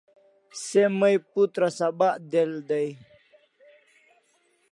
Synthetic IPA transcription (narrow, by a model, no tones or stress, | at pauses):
seməjput̪ɾasabaʔd̪eld̪aj